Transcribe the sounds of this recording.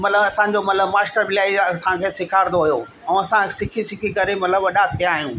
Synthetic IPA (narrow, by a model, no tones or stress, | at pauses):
mɐt̪ləbɐsã̆ːd͡ʑomɐt̪ləbmaːsʈəɾbɪlaːiɐsãkʰeːsɪkʰaːɾɪnd̪oɦʊjo | ɛ̃ɐsãsɪkʰisɪkʰikɐɾemɐt̪ləbʋɐɗat̪ʰijaːɦijũː